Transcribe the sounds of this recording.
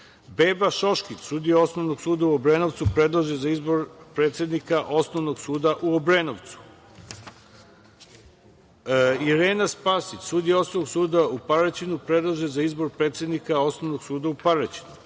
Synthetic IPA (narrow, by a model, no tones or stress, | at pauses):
be̞ːbaʃo̞ʃkit͡ɕsuːd̪ijeo̞sno̞ʋnoɡsuːd̪auobɾeno̞ʋt̪supɾe̞d̪lˠaʒezaizboɾpɾeːt̪sje̞d̪nikaʔo̞sno̞ʋno̞ɡsuːd̪aʔuobɾenoʋt̪su̥ | iɾeːnaspasit͡ɕsuːd̪ijeo̞snoʋnoɡsuːd̪aupaɾat͡ɕinupɾed̪lˠaʒezaizbo̞ɾpɾeːt̪sje̞d̪nikao̞sno̞ʋno̞ɡsuːd̪aupaɾat͡ɕi̥nu